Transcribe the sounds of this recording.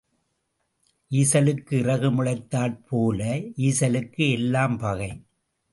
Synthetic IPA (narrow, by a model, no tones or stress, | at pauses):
ʔiːsɐlɯkːɯɪrɐɣɯmɯɻɐɪt̪ːaːlpʰoːlɐiːsɐlɯkːɯɛlːaːmpɐɣɐɪ